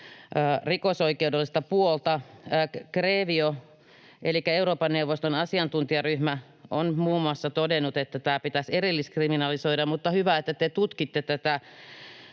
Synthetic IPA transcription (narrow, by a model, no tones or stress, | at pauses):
rikosoikeudelːist̪ɑpuolt̪ɑ | kreːʋio | ʔelikːˑæeuɾoːpɑnneuʋːost̪onɑsiɑnt̪unt̪iɑryhmæ | ʔonmuːmːˑuɑsːɑt̪odenːˑut̪et̪ːæt̪æːpit̪æserilːiskriminɑlisoidɑmmut̪ːɑhyʋæet̪ːæt̪et̪ut̪kit̪ːet̪ːæt̪æ